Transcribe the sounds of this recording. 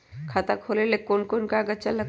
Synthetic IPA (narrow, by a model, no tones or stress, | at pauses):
kʰat̪akholelekonkonkaɡat͡ʃalːa